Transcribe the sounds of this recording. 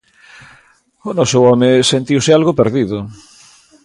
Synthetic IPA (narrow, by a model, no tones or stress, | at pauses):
onɔsowɔmesent̪iwsealɣopeɾðiðʊ